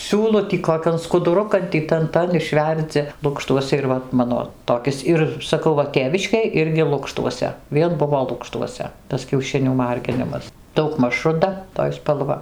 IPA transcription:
ˈsʲuːlˠʊ tʲiː koːˈkʲɛn skʊdʊˈrʊkɐn ˈtʲiː ˈtɐn ˈtɐn ɪʃʲˈʋʲɛrʲd͡zʲɪ ˈlˠʊkʃtuɔsʲɛ ɪr ˈʋɐ ˈmɑːnoː toːˈkʲɪs ˈɪr sɐˈkɐʊ ˈʋɐ ˈtʲeːʋʲɪʃʲkʲeːj ˈɪrʲɡʲɪ ˈlˠʊkʃtuɔsʲɛ ˈʋʲiɛn ˈbʊʋoː ˈlˠʊkʃtuɔsʲɛ ˈtɐs kʲɛʊˈʃʲɪnʲuː ˈmɐrʲɡʲɪnʲɪmɐs dɐʊɡˈmɐʃ rʊˈdɐ toːj spɐlˠˈʋɐ

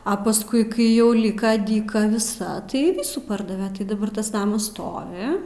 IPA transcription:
ɐ pɐsˈkʊɪ ˈkɐɪ jɛʊ ˈlʲiːkɐ dʲiːˈkɐ ʋʲɪˈsɐ tɐɪ ˈʋʲiːsuː ˈpɐrdɐʋʲɛ tɐɪ dɐˈbɐr tɐs ˈnɑːmɐs ˈstoːʋʲɪ

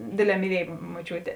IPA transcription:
ˈdʲeːˌdʲlʲɛː mʲiːˈlʲiɛj moːˈt͡ʃʲuːtʲeː

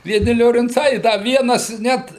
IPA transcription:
ʋʲiɛˈnʲɪ lʲoːrʲɪnˈt͡sɐɪ ɪ ˈdɐ ˈʋʲiɛnɐs ˈnʲɛt

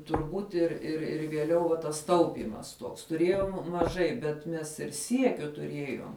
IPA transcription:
tʊrˈbuːt ɪr ɪr ɪr ʋʲiɛˈlʲɛʊ ʋɐ tɐs ˈtɐʊpʲiːmɐs tuɔks tʊˈrʲeːjoːm mɐˈʒɐɪ bʲɛt ˈmʲɛs ɪr ˈsʲiɛkʲʊ tʊˈrʲiɛjoːm

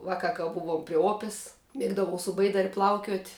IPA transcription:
ˈʋɑːˌkɐ kɐ ˈbʊʋuɔm pʲrʲɪ ˈoːpʲɛs ˈmʲiɛɡdɐʋɐʊ sʊ ˈbɐɪdɐrʲ ˈplˠɐʊkʲuɔtʲ

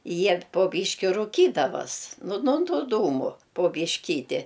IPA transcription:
ˈjiɛ poː ˈbʲiːʃʲkʲɪ rʊˈkʲiːdɐʋɐs ˈnʊ noː ˈtuː ˈduːmʊ poː bʲiːʃʲˈkʲiːtʲɪ

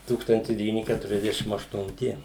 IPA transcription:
ˈtuːkstɐnʲtʲɪs dʲɛʋʲiːˈnʲɪ ˌkʲætʊrʲɛzʲˈdʲæːʃʲɪm ɐʃtʊnʲˈtʲɪ

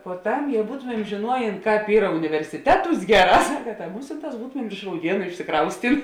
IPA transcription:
poːˈtɐm ˈjɛʊ ˈbuːtoːmʲɛm ʒʲeːˈnuɔjeːn ˈkɑːp ˈiːrɐ ʊnʲɪʋʲɛrʲsʲɪˈtʲæːˌtuːs ˈɡʲæːˌrɑː ˈsɑːkɐ tɐ ˈmʊsʲɪnˌtɑːs ˈbuːtoːmʲɛm ɪr ɪʃ rɐʊˈdʲiɛnʊ ɪʃʲsʲɪˈkrɐʊsʲtʲɪn

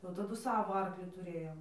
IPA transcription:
jɛʊ tɐˈdʊ ˈsɑːʋoː ˈɐrklʲɪ tʊˈrʲeːjoːm

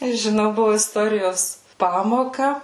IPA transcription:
ɪ ʒʲɪˈnɐʊ ˈbʊʋoː ɪsˈtoːrʲɪjoːs ˈpɑːmoːkɐ

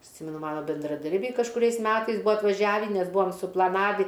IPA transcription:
ˈsʲɪmʲɛnʊ ˈmɑːnoː bʲɛndrɐˈdɐrʲbʲɛɪ kɐʃkʊˈrʲɛɪs ˈmʲæːtɐɪs ˈbuːɐ ɐtʋɐˈʒʲæːʋʲiː nʲɛs ˈbuːɐm sʊplˠɐˈnɑːʋʲiː

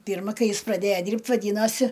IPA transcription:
ˈpʲiːrmɐ ˈkɐɪ ˈjɪs prɐˈdʲeːjɛ ˈdʲiːrʲpʲtʲ ʋɐˈdʲiːnoːsʲɪ

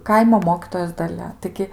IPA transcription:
ˈkɐɪmoː ˈmoːkʲiːtoːjoːs dɐˈlʲɛ tɐɪˈɡʲɪ

